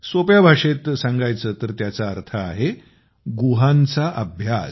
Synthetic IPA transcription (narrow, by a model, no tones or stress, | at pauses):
sopjabʱaʂet̪sãŋɡajt͡səːt̪əɾt̪jat͡saːɾt̪ʰəːɦe | ɡuɦãnt͡saʔəbʱjas